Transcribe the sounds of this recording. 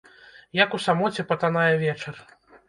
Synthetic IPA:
jakusamɔt͡sʲɛpɐt̪anajɛvʲɛt͡ʂɐr

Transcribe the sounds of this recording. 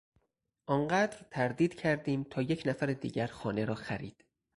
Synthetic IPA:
ʔɒːnɢæːd̪ɾt̪ʰæɾd̪iːd̪̥cʰæɾd̪iːmt̪ʰɒːjecʰnæfæɾed̪ḭːɟæɾxɒːne̞ɾɒːxæɾiːd̪̥

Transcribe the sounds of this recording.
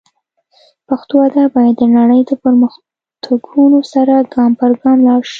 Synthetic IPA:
paxt̪oad̪abɑjad̪ːənaɽəjd̪əpəɾməx | t̪ʰaɡunosaɾaɡɑmpaɾɡɑmlɑɽʃi̥

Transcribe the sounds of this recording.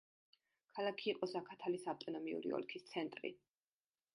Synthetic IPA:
kʰalˠakʰiːqʼɔsakʰat̪ʰalisavt̪ʼɔnɔmiṵɾḭɔ̰lkʰist̪sʰɛnt̪ʼɾḭ

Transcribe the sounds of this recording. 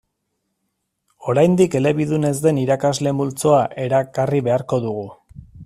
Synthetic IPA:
o̞ɾajnd̪ike̞le̞βiðune̞zd̪e̞niɾakazle̞mult͡so̞aʔe̞ɾakariβe̞aɾko̞ðuɣ̞u

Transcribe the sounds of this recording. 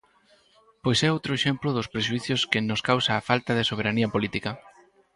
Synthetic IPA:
pojsɛowt̪ɾʊeʃemplʊðʊspɾeʃ̬uiθjʊskɪnʊskawsaːfalt̪aðesoβ̞eɾaniɐpolit̪ikɐ

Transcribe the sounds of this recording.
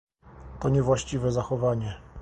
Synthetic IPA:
t̪ɔɲɛvwaɕt͡ɕivɛzaxɔvaɲɛ

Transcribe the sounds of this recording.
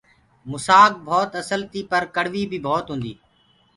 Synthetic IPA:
mʊsaːk̚bʱɔːt̪əsəlt̪iːpəɾkəɽ̤ʋiːbʱiːbʱɔːt̪ɦʊ̃nd̪ḭː

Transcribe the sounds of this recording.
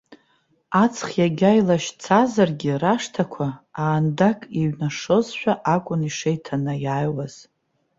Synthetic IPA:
at͡sʰχjaɡʲajlaʃt͡sʰazarɡʲiraʂtʰakʷʰaːndakʼiɥnaʂozħʷᶣaʔakʷʼʊniʂejtʰanajajwaz̥

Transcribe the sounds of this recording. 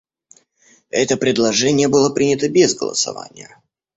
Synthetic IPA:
ɛt̪əpɾʲɪd̪lˠɐʐɛnʲɪjəbɨlˠəpɾʲinʲɪt̪əbʲezɡə̰lˠə̰sɐ̰va̰nʲɪjə

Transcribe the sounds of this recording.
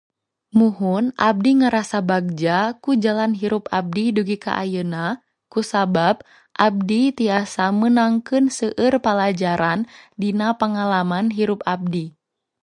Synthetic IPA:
muɦunʔa̰b̚diŋaɾasabaɡ̚d͡ʒakud͡ʒalanɦiɾupab̚diduɡika̰ʔa̰jəna | kusabab̚ | ʔab̚dit̪iasamənaŋkɨnsəʔɨrpalad͡ʒaɾandinapaŋalamanɦiɾupab̚di

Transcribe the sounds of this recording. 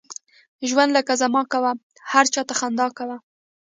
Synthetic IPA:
ʒwand̪ləkazamɑkawa | haɾt͡ʃɑt̪axand̪ɑkawa

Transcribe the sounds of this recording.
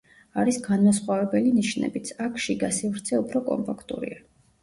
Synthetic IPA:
aɾisɡanmasχwavɛbɛliniʃnɛ̰bit̪sʰakʰʃiɡasivɾt̪sʰɛupʰɾɔkʼɔ̰mpʰʼakʰt̪ʼṵɾḭa

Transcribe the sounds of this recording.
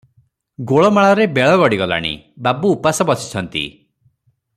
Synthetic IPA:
ɡoɭɔmaɭɔɾebeɭɔɡɔɽiɡɔla̰ɽ̃ḭ | babuːpasɔbɔt͡ʃʰi̥t͡ʃʰɔnt̪ḭ

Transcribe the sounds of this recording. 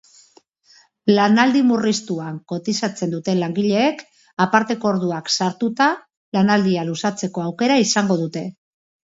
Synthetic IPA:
lanald̪imurist̪uaŋko̞t̪isat͡se̞nd̪ut̪e̞laŋɡiʎe̞ːk | apaɾt̪e̞ko̞oɾðuaksaɾt̪ut̪a | lanald̪ialusat͡se̞ko̞awke̞ɾaisaŋɡo̞ð̞ut̪e̞

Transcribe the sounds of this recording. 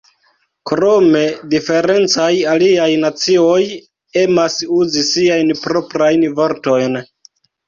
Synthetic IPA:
kɾo̞me̞dife̞ɾe̞nt͡sajaliajnat͡sio̞j | e̞masuzisiajnpɾo̞pɾajnvo̞ɾto̞jn

